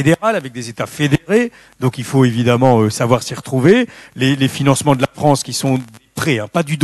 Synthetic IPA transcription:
ed̪eʁalavɛk̚d̪ezet̪afed̪eʁe | d̪ɔ̃kilfoevid̪amɑ̃øsavwaʁsiʁət̪χuvelelefinɑ̃smɑ̃d̪əlafχɑ̃skʲisɔ̃d̪epχɛɛ̃pad̪yd̪

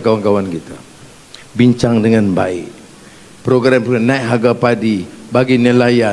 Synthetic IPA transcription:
kawankawankit̪a | biɲt͡ʃaŋdəŋanba̰ɪʔ | pɾoɡɾampnaiʔɦaɡapadibaɡinəlaja

